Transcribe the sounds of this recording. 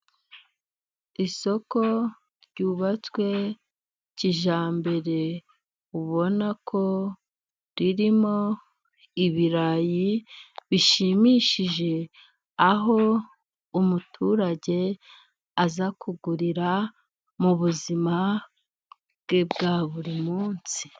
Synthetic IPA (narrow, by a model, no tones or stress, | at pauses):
iso̞ko̞ | ɾɟuːβat͡swe̞ | ciʒaːmbe̞ɾe̞ | uβo̞nakʰo̞ | ɾiɾimo̞ | iβiɾajiβiʃimiʃiʒe̞ | aɦo̞ | umutʰuɾaɟe̞ | azakʰuɡuɾiɾa | muβuzima | bɡ̥ebɡaːβuɾimuːnsi̥